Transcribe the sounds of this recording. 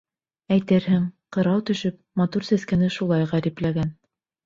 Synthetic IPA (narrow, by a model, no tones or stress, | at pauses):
æjt̪ɘɾhɘŋqɤ̆ɾɑwt̪ɵ̆ʃɵp̚mɑt̪uɾsæskænɘʃulˠɑjʁæɾiplæɡæn